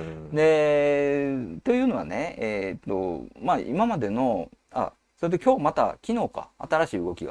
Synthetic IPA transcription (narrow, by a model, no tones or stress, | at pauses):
d̪e̞ | t̪o̞jɯ̟ːno̞βa̰ne̞eːt̪ːo̞̰maʔḭmamad̪e̞no̞ | a̰ | so̞ɾet̪̬ːekʲo̞ːmat̪a̰kʲino̞ːka̰at̪aɾaɕiːɯ̟ɡo̞kʲiɡa̰